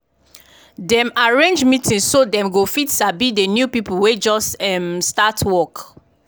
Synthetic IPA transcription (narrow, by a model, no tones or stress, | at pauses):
dɛ̃maɹẽnd͡ʒmitʰĩnssodɛ̃mɡofitsabidenjupipuwed͡ʒɔsɛmstatʰwɔk